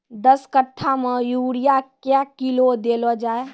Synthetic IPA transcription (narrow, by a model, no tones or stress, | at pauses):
d̪əskəʈʰːamẽjuːɽijakjakilod̪elɔd͡ʒaːe